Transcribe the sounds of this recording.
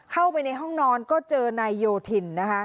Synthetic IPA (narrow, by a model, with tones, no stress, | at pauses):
kʰa˥˩wpa˧jna˧jɦɔ˥˩ŋnɔː˧nkɔː˥˩t͡ɕɤː˧na˧jːoː˧t̪ʰi˧˩nːa˦˥kʰa˦˥ʔ